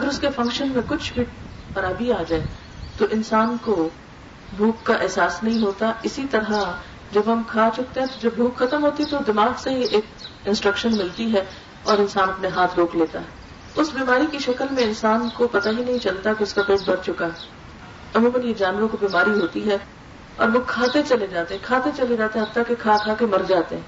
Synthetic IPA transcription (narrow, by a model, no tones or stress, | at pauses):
ɐɡəɾʊskefɐ̃ŋkʃənmẽkʊt͡ʃʰbʱɪʈ̚xɐɾaːbiaːd͡ʒaːe | t̪oʔɪ̃nsaːnko | bʱuːkːaʔɛɦsaːsnɐɦĩɦoːt̪aɪsit̪ɐɾɦa | d͡ʒɐbɦɐmkʰaːt͡ʃʊk̚t̪ẽɦɛ̃t̪od͡ʒɐbbʱuːkxɐt̪əmɦoːt̪it̪od̪ɪmaːɡseɦiʔeːk̚ɪ̃nsʈɾɐkʃənmɪlt̪iɦɛː | ɔːɾɪ̃nsaːnɐpneɦaːt̪ʰɾoːkleːt̪a̰ɦɛ | ʊsbiːmaːɾikiʃɐkəlmẽɪnsaːnkopɐt̪aɦinɐɦĩt͡ʃɐlt̪akeʊskapeːʈ̚bɐɾt͡ʃʊkaɦɛː | ɐmũːmɐnjed͡ʒaːnʋãkobiːmaːɾiɦoːt̪iɦɛ | ɔ̰ːɾʋokʰaːt̪et͡ʃɐled͡ʒaːt̪eɦɛ̃kʰaːt̪et͡ʃɐled͡ʒaːt̪eɦɐt̪ːakekʰaːkʰaːkemɐɾd͡ʒaːt̪eɦɛ̃ː